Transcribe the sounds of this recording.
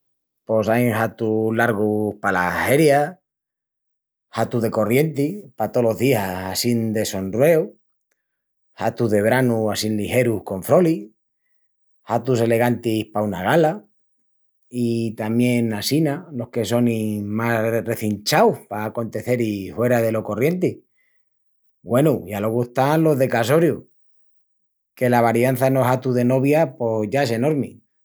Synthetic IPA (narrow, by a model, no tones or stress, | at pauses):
po̞sajŋhat̪ulaɾɣ̞uhpalahe̞ɾja | hat̪uðe̞ko̞rje̞nt̪ipat̪o̞lo̞zðiaasind̪e̞so̞nrrwe̞u | hat̪uðe̞βɾanuasinlihe̞ɾuhko̞ɱfɾo̞li | hat̪use̞le̞ɣ̞ant̪ihpaunaɣala | it̪amje̞nasinalo̞hke̞so̞nimare̞θint͡ʃawpaːko̞nt̪e̞θe̞ɾihwe̞ɾaðe̞lo̞ko̞rje̞nt̪i | ɡwe̞nuʝalo̞ɣuehst̪anlo̞ɦðe̞kas̬o̞ɾju | ke̞laβ̞aɾjan̟θano̞sat̪uðe̞no̞βjapo̞ʝae̞se̞no̞ɾmi